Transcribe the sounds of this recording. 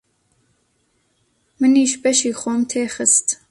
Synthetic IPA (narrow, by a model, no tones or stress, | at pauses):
mɨniːʃbɛʃiːxoːmt̪ʰeːxɨst̪